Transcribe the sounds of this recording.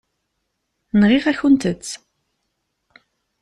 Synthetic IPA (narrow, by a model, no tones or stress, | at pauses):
nʁifæçʊnt̪ət͡sː